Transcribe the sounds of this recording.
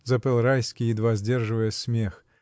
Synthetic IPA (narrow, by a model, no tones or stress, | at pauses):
zɐpɛlˠɾajsʲkʲijid̪vazʲdʲerʐɨvəjəsʲmʲex